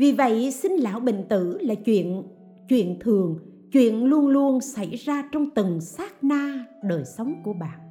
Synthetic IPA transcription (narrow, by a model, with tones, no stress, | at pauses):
vi˨˩və̰˧˨jsï˧ŋ̟la̰ː˧˥wɓḭ˧˨ŋ̟t̪ɨ˧˩laː˨˩t͡ɕwḭ˧˨ən | t͡ɕwḭ˧˨ənt̪ʰɨ˨˩əŋ | t͡ɕwḭ˧˨ənlu˧ənlu˧ənsa˧˩jzaː˧t͡ɕɔ˧wŋ͡mt̪ɨ˨˩ŋsaː˦˥k̚naː˧ɗəː˨˩jsə˨˦wŋ͡mku˧˩əɓa̰ː˧˨n